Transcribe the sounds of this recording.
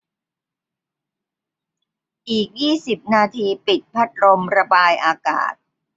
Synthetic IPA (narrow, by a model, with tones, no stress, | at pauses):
ʔiː˨˩k̚jiː˥˩si˨˩p̚naː˧t̪ʰiː˧pi˨˩t̪̚pʰa˦˥t̪̚ɾo˧mɾa˧baː˧jʔaː˧ka̰ː˨˩t̪̚